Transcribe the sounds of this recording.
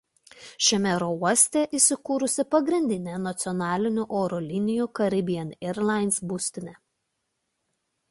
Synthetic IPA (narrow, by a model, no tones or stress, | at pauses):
ʃʲɛmʲɛɾouɔsʲt̪ʲeːʔisʲɪkuːɾʊsʲɪpɐɡɾʲɪnʲd̪ʲɪnʲeːnɐt̪sʲɪɔnɑːlʲɪnʲuʔoːɾulʲɪnʲɪjuːˑkɐɾʲɪbʲɪjɛnʲɛɾlˠɑˑɪnsbʊsʲt̪ʲɪnʲɛ